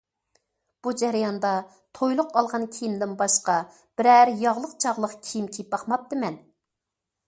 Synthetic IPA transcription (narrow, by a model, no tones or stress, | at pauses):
b̥ud͡ʒɛɾjɑnd̪ɑ | t̪ʰojlˠʊqʰɑlˠʁɑnkʲʰijimd̪ɪnbɑʃqɑ | b̥ɪɾæɾjɑʁlˠəqt͡ʃʰɑʁlˠəqkʲʰijimkʲʰip̚bɑχmɑp̚t̪ɨmɛn